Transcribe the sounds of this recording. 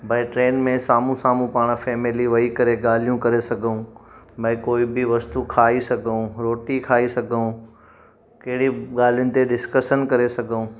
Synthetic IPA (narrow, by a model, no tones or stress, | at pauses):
bʱɐɪʈɾeːnmẽsaːmũsaːmũpaːɽ̃fɛːmɪliʋɐikɐɾeɠaːl̤ijũkɐɾesɐɡʱũ | bɐɪ̃koːibɪʋɐst̪ukʰaːisɐɡʱũɾoːʈikʰaːisɐɡʱũ | kɐɦɪɽiɠaːl̤ijʊnɪ̆t̪eɖɪskəʃənkɐɾesɐɡʱũː